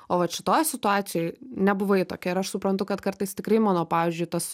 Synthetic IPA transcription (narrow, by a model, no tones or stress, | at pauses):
oːʋɐt̪ʃʲɪ̥t̪oːjsʲɪt̪ʊɑːt̪sʲɪjoɪnʲɛbʊʋɐɪt̪oːkʲɛɪɾɐʃsʊpɾɐnt̪ʊkɐt̪kɐɾt̪ɐɪst̪ʲɪkɾɐɪmɑːnoːpɑːʋʲiːzʲd͡ʒʲʊɪt̪ɐs